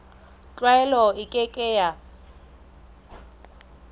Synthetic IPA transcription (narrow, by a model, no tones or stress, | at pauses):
t͡ɬʼwaɛlɔɪkʼɪkʼɛja